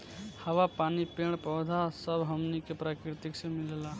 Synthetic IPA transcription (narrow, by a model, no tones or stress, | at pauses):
həʋapaːnipeɳ̃pəd̪ʱasəbʱɦəmnikepɾakɾɪt̪ɪksẽmɪlla